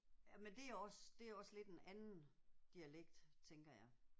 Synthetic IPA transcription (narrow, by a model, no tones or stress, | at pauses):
æmend̥e̝æɒ̽sd̥e̝æɐɒ̽sle̝d̥enænn̩d̥iæleɡ̥̚d̥t͡sʰeŋɡ̥ɐjɑ̈ɪ